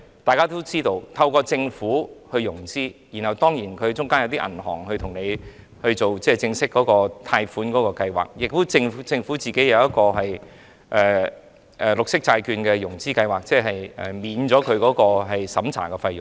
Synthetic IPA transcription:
t̪aː˨jkaː˥t̪o˥wt͡siː˥t̪o˧wt̪ʰɐ˧wkɔː˧t͡sɪ˧ŋfuː˨˥hɵ˧ɥjʊ˨˩ŋt͡siː˥ji˨˩nhɐ˨˩wt̪ɔː˥ŋjiː˨˩nkʰɵ˨˧ɥt͡sʊ˥ŋkaː˥njɐ˨˧wt̪i˥ʔɐ̰˨˩nɦɔ̰ː˨˩ŋhɵ˧t̪ʰʊ˨˩ŋne˨˧j | hɵ˧ɥt͡so˨wt͡sɛː˥˩t͡sɪ˧ŋsɪ˥kːɔː˨˥kɔː˧t̪ʰaː˧jfuː˨˥nkɔː˨˥kɔː˧kɐ˧jwa̰ː˨k̚jɪ˨k̚fu˨˥t͡sɪ˧ŋ˨˥t͡sɪ˧ŋfuː˨˥t͡siː˨˩ke˨˥jɐ˨˧wjɐ˥t̚kɔː˧ɦɐ˨j | ʔɛː˨˩ | ʔɛ˨lʊ˨k̚sɪ˥k̚t͡saː˧jkyː˧nkɛː˧jʊ˨˩ŋt͡siː˥kɐ˧jwaː˨k̚t͡sɛː˥˩ɦɐ˨jɛ̰˨˩miː˨˧nt͡sɔː˨˥kʰɵ˨˧ɥkɔː˨˥kɔː˧ɦɐ˨jsɐ˨˥mt͡sʰa̰ː˨˩kɛ˧fɐ˧jʊ˨ŋ

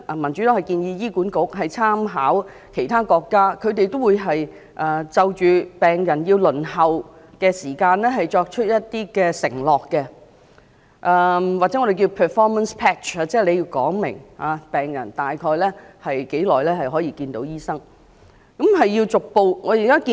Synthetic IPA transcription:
ʔmɐ˨˩nt͡ʃy˨˥t̪o˥hɐ˨˩jkiː˧njiː˧jiː˥kuː˨˥nkʊ˨˥k̚ɦɐ˨jt͡sʰaː˥mɦaː˨˥w | kʰe˨˩jt̪ʰaː˥kɔː˧kːaː˥kʰɵ˨˧ɥt̪e˨jt̪o˥wuː˨˧jɦɐ˨j | ʔɐː˨˩t͡sɐ˨˧wt͡ʃyː˨pɛː˨˩ŋjɐ˨˩njiː˧wlɵ˨˩nhɐ˨w | kɛː˧siː˨˩kaː˧nlɛː˥ɦɐ˨jt͡ʃɔː˧k̚t͡ʃʰɵ˥t̚jɐ˥t̚t̪iː˥kɛː˧sɪ˨˩ŋlɔː˨kːɛ˧ | ʔɛː˧waː˨k̚t͡sɛ˨˥ɔ˨˧d̪e˨k̬iː˧wpʰɛː˨fɔː˥mɐ˨nspʰɛː˥t͡ʃaː˧t͡sɛː˥le˨˧jiː˧wkɔ̰ː˨˥ŋmɪ̰˨˩ŋhaː˨˧pɛː˨˩ŋjɐ˨˩nt̪aː˨jkʰɔː˧jlɛː˥hɐ˨jke˨˥jlɔː˨jlɛː˥hɐ˨jɦɔː˨˥jiː˧kiː˧nt̪o˨˧˥wjiː˥sɐ˥ŋ | kɐ˨˥mɦɐ˨jːiː˧wt͡sʊ˨k̚po˧wŋɔː˨˧ji˨kaː˥kiː˧

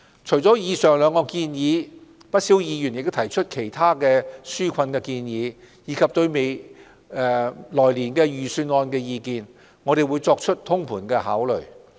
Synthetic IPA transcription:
t͡ʃʰɵ˨˩jt͡sɔː˨˥jiː˨˧sœː˨˩ŋlœː˨˧ŋkɔː˧kiː˧njiː˨˧ | pɐ˥t̚siː˨˥wjiː˨˧jy˨˩njɪ˨k̪̚o˥wt̪ʰɐ˨˩jt͡ʃʰɵ˥t̚kʰe˨˩jt̪ʰaː˥kɛː˧syː˥kʰɐ˧nkɛː˧kiː˧njiː˨˥ | jiː˨˧kʰɐ˨p̚t̪ɵ˧ɥme˨˧j | ɛ˨˧lɔː˨˩jliː˨˩nkɛː˧jyː˨˩syː˧nɔː˧nkɛː˧jiː˧kiː˧n | ŋɔː˨˧ɾe˨jwuː˨˧jt͡sɔː˧k̚t͡ʃʰɵ˥t̚t̪ʰʊ˥ŋpʰuː˨˩nkɛː˧ha̰ː˨˥wlɵ̰˨˩ɥ

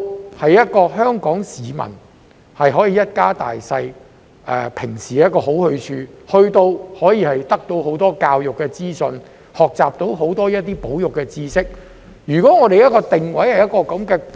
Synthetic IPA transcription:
hɐ˨jːɐ˥t̚kɔː˧ɦœː˥ŋkɔː˨˥ŋsiː˨˧mɐ̰˨˩n | hɐ˨jɦɔː˨˥jiː˨˧jɐ˥t̚kaː˥t̪a̰ː˨jsɐ˧j | ʔɛ̰ː˨˧pʰɪ˨˩ŋsiː˨˩jɐ˥t̚kːɔː˧ɦo˨˥whɵ˧ɥt͡ʃʰyː˧hɵ˧ɥt̪o˧whɔː˨˥jiː˨˧hɐ˨jt̪ɐ˥k̚t̪o˧wɦo˨˥wt̪ɔː˥kaː˧wjʊ˨kːɛː˧t͡siː˥sɵ˧n | hɔː˨k̚t͡sa̰ː˨p̚t̪o˧wɦo˨˥wt̪ɔː˥jɐ˥t̚t̪iː˥po˨˥wjʊ˨kːɛː˧t͡siː˥sɪ˥k̚ | jyː˨˩kɔː˨˥ŋɔː˨˧t̪e˨jɐ˥t̚kɔː˧t̪ɪ˨ŋwɐ˨˥jhɐ˨jɐ˥t̚kɔː˧kɐ˨˥mkɛː˧

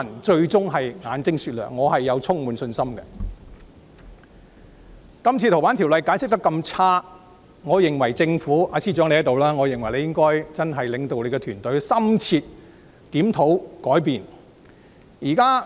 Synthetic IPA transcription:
nt͡ʃɵ˧ɥt͡sʊ˥ŋɦɐ˨jŋaː˨˧nt͡sɪ˥ŋsy˧t̚lœ̰ː˨˩ŋːɔː˨˧hɐ˨jːɐ˨˧wt͡sʰʊ˥ŋmuː˨˧nsɵ˧nsɐ˥mɡɛ̰˧ | kɐ˥mt͡sʰt͡ɕʰiː˧t̪ʰwaː˨˥t̪ʰi˨˩wlɐ˨˧jkaː˨˥jsɪ˥k̚t̪ɐ˥kːɐ˧mt͡sʰaː˥ | ŋɔː˨˧jɪ˨ŋwɐ˨˩jt͡sɪ˧ŋfuː˨˥ʔaː˨˥siː˥˩t͡ʃœː˨˥ŋle˧˥˨t̪o˨wlaː˥ŋɔː˨˧jɪ˨ŋwɐ˨˩jle˨˧jɪ˥ŋkɔː˥jt͡sɐ˥nɦɐ˨jlɪ˨˧ŋt̪o˨wle˨˧kɛ˧t̪ʰyː˨˩nt̪ɵ˨˥ɥsɐ˥mt͡sʰiː˧t̚ | t̪iː˨˥mt̪ʰo˨˥wkɔː˨˥jpiː˨n | jiː˨˩kaː˥

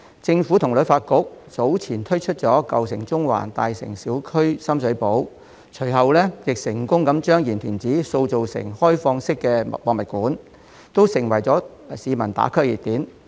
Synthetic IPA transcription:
t͡sɪ˧ŋfu˨˥t̪ʰʊ˨˩ŋlfaː˧t̚kʊ˥k̚t͡so˨˥wt͡sʰiː˨˩nt̪ʰɵ˥ɥt͡ʃʰɵ˥t̚t͡sɔː˨˥kɐ˨wsɪ˨˩ŋt͡sʊ˥ŋwa̰ː˨˩nt̪aː˨jsɪ̰˨˩ŋsiː˨˥wkʰɵ˥ɥsɐ˥msɵ˨˥po˨˥w | t͡ʃʰɵ˨˩ɥɦɐ˨wlɛː˥jɪ˨k̚sɪ˨˩ŋkʊ˥ŋkɐ˨˥mt͡ʃœː˥ŋjiː˨˩nt̪ʰiː˨˩nt͡siː˨˥so˧wt͡so˨wsɪ̰˨˩ŋhɔː˥jfɔː˧ŋsɪ˥kːɛː˧wɔː˨ŋmɐ˨t̚kuː˨˥n | t̪o˥wsɪ˨˩ŋwɐ˨˩jt͡sɔː˨˥ | siː˨˧mɐ˨˩nt̪a̰ː˨˥kʰɵ˥ɥjḭ˨t̚t̪iː˨˥n

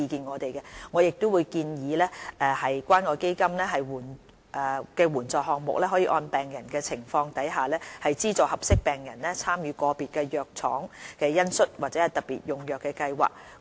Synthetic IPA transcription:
iː˧kiː˧nŋɔː˨˧t̪e˨jkɛ˧ŋɔː˨˧jɪ˨k̚t̪ʊ˥wuː˨˧jkiː˧njiː˨˧lɛː˥ʔɛ˧hɐ˨jkʷaː˥nkɔː˧ke˥jkɐ˥mlɛː˥ɦɐ˨jwuː˨˩n | ʔɛː˨˩kɛː˧wuː˨˩nt͡sɔː˨khɔː˨kŋ̚mʊ̰˨k̚lɛː˥ɦɔ˨˥jiː˧ʔɔː˧npɛː˨˩ŋjɐ˨˩nkɛː˧t͡sʰɪ˨˩ŋfɔː˧ŋt̪ɐ˨˥jɦaː˨lɛː˥hɐ˨jt͡siː˥t͡sɔː˨˩hɐ˨p̚sɪ˥k̚pɛː˨˩ŋjɐ˨˩nlɛː˥t͡sʰaː˥mjyː˨˧kɔː˧piː˨t̚kɛː˧jœː˨k̚t͡sʰɔ̰ː˨˥ŋkɛː˧jɐ˥nsɵ˥t̚waː˨t̚t͡sɛ˨˦hɐ˨˩jt̪ɐ˨t̚pːḭː˨t̚jʊ˨ŋjœː˨kːɛː˧kɐ˧jwa̰ː˨k̚

